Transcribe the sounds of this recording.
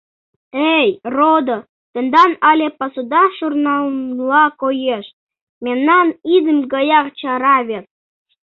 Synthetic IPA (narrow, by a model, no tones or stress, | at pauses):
ejrod̪o | t̪ə̆nd̪ɑnɑlʲepɑsud̪ɑʃurnɑmlɑkojeʃ | mʲemnɑnid̪əmɡɑjɑqt͡ɕɑɾɑβʲet̪̚